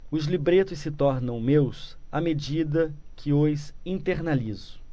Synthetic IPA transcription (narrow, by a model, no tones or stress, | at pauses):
ʊzlibɾet̪ʊssɪt̪ɔɾnɐ̃w̃mewsamed͡ʒid̪ɐkʰɪojsĩt̪eɾnalizʊ̥